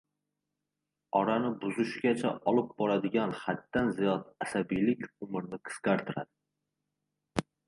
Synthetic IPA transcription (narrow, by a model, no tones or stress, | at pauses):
ɒɾanɪbʊzʊʃɡʲat͡ʃʰaʔɒlˠɪp̚bɒɾad̪ɪɡʲanχat̪ːanzijɒt̪asabijlɪkʲʊmɪɾnɪqʰɨ̥sqaɾt̪ʰɪɾa̰d̪ɪ